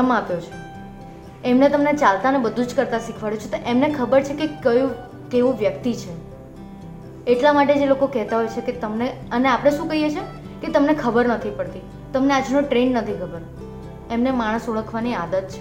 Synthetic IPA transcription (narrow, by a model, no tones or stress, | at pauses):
əmapjot͡ʃʰe̥ | emnet̪əmnet͡ʃalt̪aənebəd̪ʱũd͡ʒkəɾt̪aʃikʰʋaɭut͡ʃʰet̪oʔemnekʰəbəɾt͡ʃʰekekəjũ | keʋũʋjəkt̪it͡ʃʰe | eʈlamaʈ̬ed͡ʒelokokɛɦt̪aɦojt͡ʃʰeket̪əmneəneapəɽ̃eʃũkəɦijet͡ʃʰe | ket̪əmnekʰəbəɾnət̪ʰipəɽt̪i | t̪əmnead͡ʒnõʈɾenːət̪ʰikʰəbəɾ | emnemaɽ̃əsoɭəkʰʋaniad̪ət̪̚t͡ʃʰe